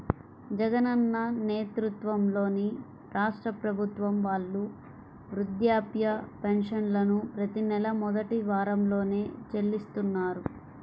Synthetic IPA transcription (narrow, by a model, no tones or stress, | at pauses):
d͡ʒɛɡɐnɐnːɐneːt̪ɾut̪ʋɐmlo̞ːni | ɾaːʂʈɾɐpɾɐbʱut̪ʋɐmʋaːɭːu | ʋɾud̪jaːpjɐpenʂɐnlɐnupɾɐt̪inɛlɐmɔd̪ɐʈiʋaːɾɐmlo̞ːne̞ːt͡ʃelːist̪unːaːɾu